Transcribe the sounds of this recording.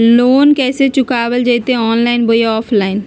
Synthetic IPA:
loːnkɛːset͡ʃʊkaːbəld͡ʒət̪ẽɔːnlaːɪnboːjaɔːpʰlaːɪn

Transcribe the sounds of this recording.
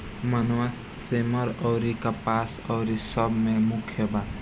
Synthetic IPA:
mənowas | eməɾɔːɾikapaːsɔːɾisəbmẽmʊkʰjəba

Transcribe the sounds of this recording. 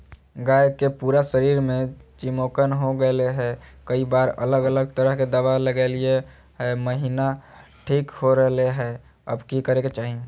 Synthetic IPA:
ɡajkepuːɾasəɾiːɾmẽt͡ʃimokənɦoɡəleɦɛkəibaːɾə̰ləɡələɡt̪əɾəɦked̪əʋaləɡelie | ɦɛməɦinaʈʰiːkɦoɾəɦleɦɛ | ə̰bkikəɾeket͡ʃaːɦi

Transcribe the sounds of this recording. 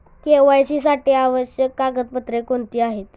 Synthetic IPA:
keʋajt͡ɕiːsaʈiaʋəɕjəkːaɡət̪̚pət̪ɾekoɳt̪iːaɦet̪

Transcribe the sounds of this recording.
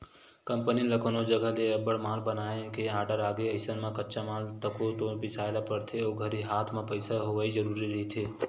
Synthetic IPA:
kə̃mpəniləkʰonod͡ʒəɡəɦleəbəɽmãːlbənaːẽkeaːɾɖəɾaːɡeɐɪsənmãkətːʃamãːlt̪əkot̪õpɪsʰaːlapəɾt̪ʰeoːɡʱəɾiɦaːt̪ʰmẽpəɪsaɦoʋaid͡ʒəɾuːɾiɾɐɦit̪ʰeː

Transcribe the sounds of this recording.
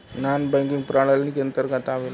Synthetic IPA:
nanbajkiŋɡpɾaɽalnikənt̪əɾɡat̪aʋel

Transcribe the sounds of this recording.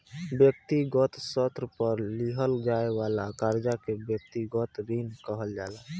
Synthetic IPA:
bjək̚t̪iɡɔt̪sət̪ɾəpəɾliɦəlɡaːewaːlakaːɾd͡ʒakebjək̚t̪iɡɔt̪ɾinkəɦəld͡ʒaːla

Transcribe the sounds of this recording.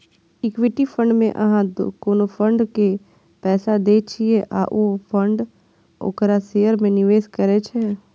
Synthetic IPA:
ɪkʋɪʈifʰə̃ɳɖmḛ̃ʔɐɦãd̪o̰koːnopʰə̃ɳɖke | pɛːsad̪eːt͡ʃʰieʔa̰ːʔopʰə̃ɳɖ | ʊ̰kɾaseːjəɾmẽnɪʋeːskəɾet͡ʃʰe

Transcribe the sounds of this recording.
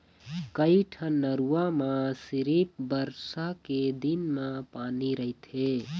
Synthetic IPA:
kəiʈʰənːəɾuamasiɾip̚bəɾsaked̪inmẽpaniɾəɦit̪ʰe

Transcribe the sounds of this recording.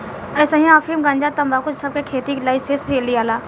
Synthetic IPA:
ɛːsaɦĩafimɡãnd͡ʒat̪ɐmbaːkʊt͡ʃsɐb̚kekʰeːt̪iklaːisest͡ʃeːliaːlaː

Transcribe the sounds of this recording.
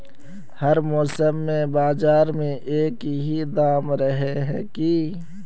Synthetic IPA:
həɾmɔːsəmːẽbaːzaːɾmẽʔeːkɦid̪aːmɾəɦeɦɛ̰̃ki

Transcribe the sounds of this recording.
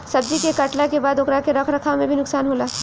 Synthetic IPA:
sɐb̚d͡ʒikekɐʈlakebaːd̪ʊkɾakeɾɐkʰɾɐkʰamẽbʱinʊksaːnɦoːlaː

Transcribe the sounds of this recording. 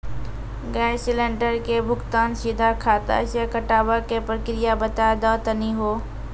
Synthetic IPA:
ɡɛːsɪlẽɳɖəɾkebʱʊɡt̪aːnsid̪ʱakʰaːt̪a̰sekəʈaːbakepɾəkɾɪjabət̪ad̪aːt̪əniɦoː

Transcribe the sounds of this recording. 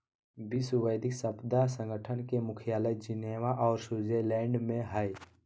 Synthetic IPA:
biswəjd̪ɪksəbd̪asə̃ŋɡəʈʰənkemʊkʰijaːləjd͡ʒɪneːwaʔɔːɾsuzelɛ̃ːɳɖmẽɦəj

